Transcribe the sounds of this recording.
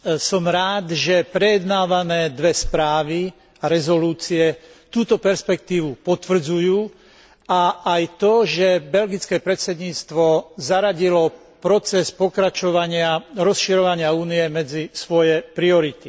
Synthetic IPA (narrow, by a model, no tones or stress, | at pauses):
sɔmɾaːd̪ʒɛpɾɛjɛd̪naːʋanɛːd̪ʋɛspɾaːʋi | aɾɛzɔluːt͡siɛ | t̪uːt̪ɔpɛɾspɛk̚t̪iːʋupɔt̪ʋr̩d͡zujuː | aajt̪ɔʒɛbɛlɡit͡skɛːpɾɛt̪sɛd̪ɲiːt͡st̪ʋɔzaɾaɟilɔ | pɾɔt͡sɛspɔkɾat͡ʃɔʋaɲɪaɾɔsʃiɾɔʋaɲɪauːniɛmɛd͡zisʋɔjɛpɾiɔɾit̪i